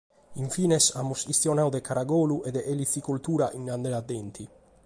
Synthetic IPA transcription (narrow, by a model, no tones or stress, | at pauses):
iɱfinesamusist̪jonawd̪ekʰaɾaɡoluʔed̪eʔeliθikult̪uɾaʔiŋnand̪elad̪ent̪ʰi